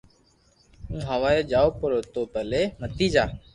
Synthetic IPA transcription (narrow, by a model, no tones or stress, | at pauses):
ũːɦəʋaːeːd͡ʒaːoːpəɾoːt̪oːpəleːmət̪iːd͡ʒaː